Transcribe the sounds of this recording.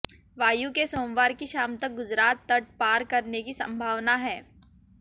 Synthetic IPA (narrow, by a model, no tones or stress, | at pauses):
ʋaːjukesoːmʋaːɾkiʃaːmt̪ɐk̚ɡʊd͡ʒɾaːt̪ːɐʈ̚paːɾkɐɾnekisɐ̰̃mbʱaːʋnaɦɛː